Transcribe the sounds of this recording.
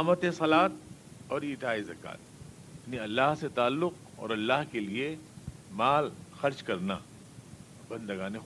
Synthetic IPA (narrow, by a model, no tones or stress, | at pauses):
mət̪ẽsɐlaːt̪̚ɔːɾiːʈ̪aːizɐka̰ːt̪ | ɐpniɐlːaːɦset̪aːlːʊq̚ | ɔ̰ːɾɐlːaːɦkelie | maːlxɐɾd͡ʒkɐɾna̰ | bɐ̃nd̪əɡaːne